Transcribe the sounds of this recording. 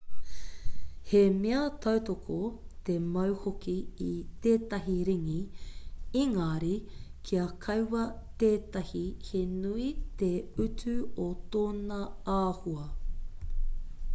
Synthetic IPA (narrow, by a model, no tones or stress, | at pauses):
hemeɐt̪ʰɐwtokʰot̪emɐwhokiit̪eːtɐɦiɾiŋi | iŋaːɾikʰiɐkʰɐwwɐt̪eːtɐhihenuit̪eʉtʰʉot̪oːnɐaːhuɐ